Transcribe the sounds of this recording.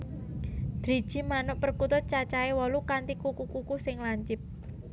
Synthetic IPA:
d̪̥ɾi̤̥ʒ̥i̤manɔpərkut̪ʊt̪̚t͡ʃat͡ʃaewɔlukant̪ikukukukusɪŋlaɲt͡ʃɪp̚

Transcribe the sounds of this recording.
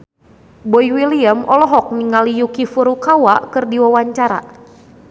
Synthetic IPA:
bɔjwiliamʔɔlɔɦɔk̚niŋalijukifuɾukawakɨrdiwawaɲt͡ʃaɾa̰

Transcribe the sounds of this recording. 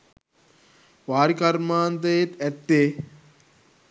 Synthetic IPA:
ʋaːɾikɐɾmaːnt̪ɐjet̪æt̪ːe

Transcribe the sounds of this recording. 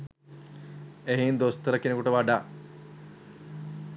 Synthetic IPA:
eɦind̪ost̪əɾəkenekuʈəʋaɖaː

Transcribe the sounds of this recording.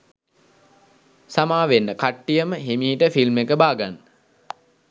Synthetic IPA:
samaːʋenːəkaʈːijəməɦimiːʈəfilmekəbaːɡanːə

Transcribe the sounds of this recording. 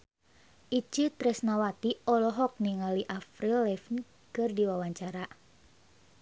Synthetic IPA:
ʔit͡ʃit̪ɾɛsnawat̪iɔlɔɦɔk̚niŋaliʔafɾilːɛfn | kɨrdiwawaɲt͡ʃaɾa

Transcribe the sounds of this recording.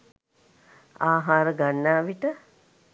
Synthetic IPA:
aːɦaːɾəɡanːaːʋiʈə

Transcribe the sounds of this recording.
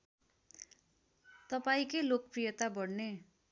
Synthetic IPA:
t̪ʌpaĩkelok̚prijʌt̪abʌɽne

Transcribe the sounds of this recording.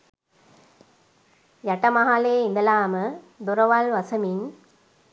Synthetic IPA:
jɐʈɐmɐɦaːleːind̪ɐlaːmə | d̪uɾɐʋɐlʋɐsɐmin

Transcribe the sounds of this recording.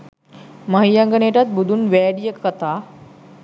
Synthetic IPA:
məɦijaŋɡəneːʈat̪̚bud̪ʱunʋɛːɖijəkːət̪aː

